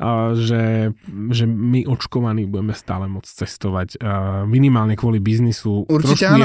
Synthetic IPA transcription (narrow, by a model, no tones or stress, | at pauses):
ʒɛ | ʒɛmiʔɔt͡ʃkɔʋaniːbuɟɛmɛst̪a̰ːlɛmɔt͡st͡sɛst̪ɔʋacminimaːlɲɛkʋɔlibiznisut̪ɾɔʃku